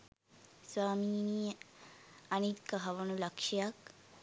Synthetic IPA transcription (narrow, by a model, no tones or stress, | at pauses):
swaːmiːnije | anit̪kaɦaʋonulakʃijak